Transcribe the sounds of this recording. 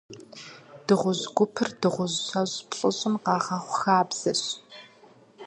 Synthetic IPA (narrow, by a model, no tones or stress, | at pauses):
d̥ɨʁʷʊzɡʷʊpʰɨrdɨʁʷʊzɕɐʑpɕʼɨɕʼɪmqɑːʁɐχʷʊxaːbz̥ɐɕ